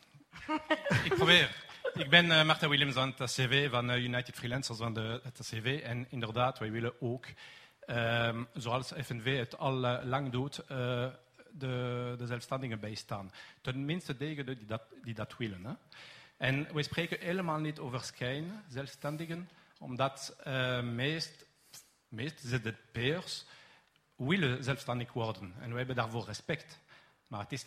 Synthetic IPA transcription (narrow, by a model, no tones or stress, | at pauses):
ɪk̚pʁobeːʁɪɡ̚bɪnmaʁtawɪljəmsɑnətaseveːvɑnəjunajtɪtfrilɛnsərsvɑndətaseveːɛnɪndərdaːtʋɛjʋɪləoːk | əzoɑlˠsɛfɛnveːətɑllɑŋdutə | dədəzɛlfstɑndɪɣənbɛjstaːntənmɪnstədeːɣədədidɑtdidɑtwɪlənɛɛnʋɛjspreːkəneːləmaːlˠnitoːvərskɛjnzɛlfstɛndɪɣənɔ̰mdɑtəmeːst | meːstzədəpeːrs | wɪləzɛlfstɑndɪkʋɔrdənɛ̰nʋəɦɛbəndaːrvoːrɛspɛkt | maːətɪs